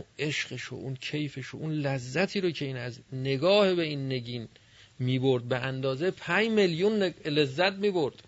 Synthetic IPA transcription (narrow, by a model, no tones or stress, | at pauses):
e̞ʃɢ̥eʃo̰ʔuncʰe̞jfeʃo̰ʔunlæzːæt̪ʰiːɾocʰe̞iːnæzne̞ɡɒːhebe̞inːe̞ɡiːn | miːbo̞ɾd̪̚beʔænd̪ɒːzepʰæɲmeljunːle̞zːæt̪̚miːboɾd̪̥